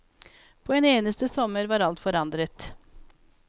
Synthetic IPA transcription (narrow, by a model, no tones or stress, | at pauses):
pʰoːeːneːnəst̪əsɔməɾʋɑːɾɑlt̪fɔɾɑnd̪ɾət̪